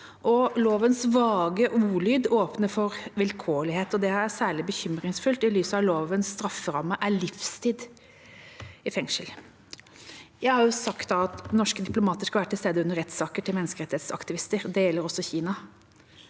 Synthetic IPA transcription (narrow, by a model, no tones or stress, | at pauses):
ʔɔloːʋənsʋɑːɡəʔuːɭyːd̪oːpnəfɔɾʋɛlkʰoːlɪheːt̪ɔd̪ɛæsæːɭɪbəçʏmɾɪŋsfʉlt̪ɪlyːsəɑʋloːʋənsːt̪ɾɑfəɾɑmːəʔæɭɪfst̪ʰiːd̪ | ɪfɛŋʂəl | jæɪhɑɾjʊsɑkt̪̚d̪ɑɑt̪nɔʂkəd̪ɪplʊmɑːt̪əʂkɑʋæːɾət̪ɪst̪eːd̪əʉnːəɾɛt̪ːsɑːkəʈʰɪlmɛnːəskəɾɛt̪ɪheːt̪sɑ̰kt̪ɪʋɪst̪əɾd̪ɛjɛlːəɾɔsɔçiːnɑ